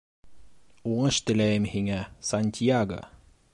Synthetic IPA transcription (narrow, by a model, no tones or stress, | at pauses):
uɴɤʃt̪ɘ̆læjɘmhiŋæsɑnʲt̪ʲijaɡə̰